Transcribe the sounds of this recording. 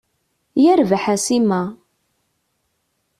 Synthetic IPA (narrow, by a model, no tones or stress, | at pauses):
jæɾvħasimæ